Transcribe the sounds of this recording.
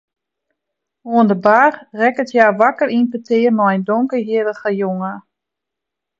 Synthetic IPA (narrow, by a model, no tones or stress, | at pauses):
oəndəbaːrrɛkətjaːʋakərinpətʰɪːərnɔɛjndoŋkəɦiədəɣəjoŋə